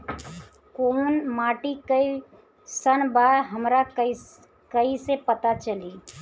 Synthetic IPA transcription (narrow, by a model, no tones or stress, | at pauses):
koːnmaːʈikəi | sənbaːɾɦəmɾa | kəisepət̪at͡ʃəliː